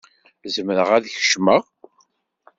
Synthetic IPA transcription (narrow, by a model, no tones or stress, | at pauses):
zəmɾəʁæðçə̥ʃməʁ